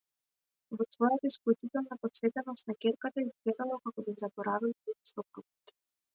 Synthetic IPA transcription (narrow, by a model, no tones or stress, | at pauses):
vɔsvɔjat̪aisklˠut͡ʃit̪ɛlˠnapɔt̪svɛt̪ɛnɔst̪̚nakʲɛɾkat̪aiskɛd̪alˠakakɔbizabɔɾavilˠit̪svɔkɾuki̥t̪i̥